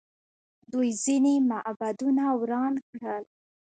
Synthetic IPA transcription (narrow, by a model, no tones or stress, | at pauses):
d̪ujzinemaʔbad̪unawɾɑnkɽəl